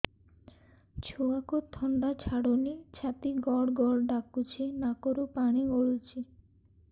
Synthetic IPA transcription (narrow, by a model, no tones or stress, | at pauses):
t͡ɕʰuakot̪ʰːɔɳɖat͡ɕʰaɽonit͡ɕʰat̪iɡɔɽɡɔɽɖakːut͡ɕʰinakoɾupaniɡoɭut͡ɕʰi